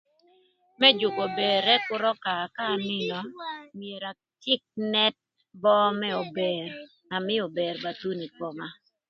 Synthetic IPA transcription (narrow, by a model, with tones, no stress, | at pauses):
mɛ˦d͡ʒʊ˨ko˨be˨ɾɛ˦kʊ˦ɾɔ˦ka˨ka˦˨nɪ˦nɔ˨mie˨ɾa˨ | tɪ˦k̚nɛ˦t̚ | bɔ˦mɛ˦o˨be˨ɾ | a˨mɪ˦o˨be˨ɾba˨t̪u˦ni˨pɔ˨ma˦